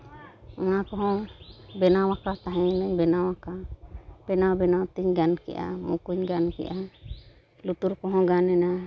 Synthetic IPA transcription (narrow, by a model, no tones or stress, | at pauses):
ɔnakɔɦɔ̃bɛnawakat̪aɦɛ̃nəɲbɛnawakab̥ɛnawbɛnawt̪iɲɡankɛ̰ʔa̰mṵkuɲɡankɛ̰ʔa | lut̪uɾkɔɦɔ̃ɡanɛna